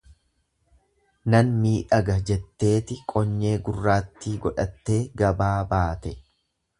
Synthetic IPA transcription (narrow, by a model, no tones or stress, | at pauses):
nɐnmiːᶑɐɡɐd͡ʒɛt̪ːe̞ːt̪ɪkʼɔɲːe̞ːɡʊrːaːt̪ːiːɡɔᶑɐt̪ːe̞ːɡɐbaːbaːt̪ɛ